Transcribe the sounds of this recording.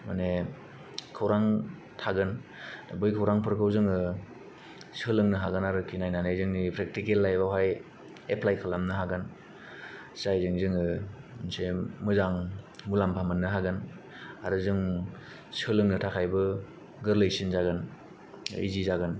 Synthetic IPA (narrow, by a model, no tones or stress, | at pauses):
ma̰ne | kʰawɾaŋ | tʰaɡɯndabɯjkʰawɾaŋpʰɯɾkʰɯwzɯŋɯ | sɯlɯŋnɯɦaɡɯnaɾɯkʰinajnanajzɯŋnipʰɾek̚tikelːajbawɦaj | epʰlajkʰalamnɯɦaɡɯn | sajzɯŋzɯŋɯnsemɯzaŋmulampʰamɯnːɯɦaɡɯn | aɾɯzɯŋ | sɯlɯŋnɯtʰakʰajbɯ | ɡɯɾlɯjsinzaɡɯn | ḭzizaɡɯn